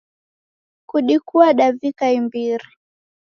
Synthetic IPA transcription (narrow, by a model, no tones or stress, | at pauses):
kuɗikuaɗavikaimbiɾi